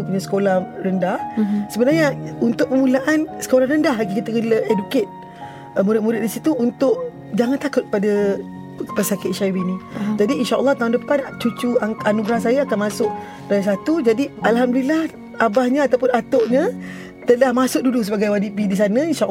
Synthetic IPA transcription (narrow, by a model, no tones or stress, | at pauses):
upuɲasə̥kolahrəndahsəbənaɲəunt̪ʊʔ̚pəmulaʔansə̥kolahrəndaɦlaɡikit̪əkələʔeduket̪̚ | əmuɾɪt̪̚muɾɪt̪̚disit̪uunt̪ʊʔ | d͡ʒaŋant̪akʊt̪̚k̚pada | pəsakɪt̪̚ʃaiwinĩd͡ʒadiːnʃaʔə̰lːɑht̪aɦʊndəpant͡ʃut͡ʃuaanuɡɾahs̬ajaakanmasʊʔ̚ | dajas̬at̪ud͡ʒadialɦamdulilah | abahɲaat̪awpʊnat̪oʔɲa | t̪əlahmasʊk̚dudus̬əbaɡajwadipidis̬anə̃inʃaʔ